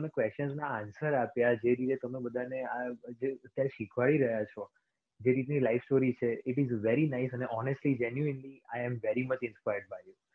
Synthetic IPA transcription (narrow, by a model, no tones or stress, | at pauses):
t̪əmekʋeʃt͡ʃənznaːnsəɾapjad͡ʒeɾit̪et̪əmebəd̪ʱanead͡ʒeət̪jaɾeʃikʰʋaɭiɾəɦjat͡ʃʰɔ | d͡ʒeɾit̪nilajfsʈoɾit͡ʃʰeɪʈizʋɛɾinaɪsəneʔɔnesʈlid͡ʒɛnjuɪnliajɛ̃mʋɛɾimət͡ʃɪ̃nspajəɾɖbajju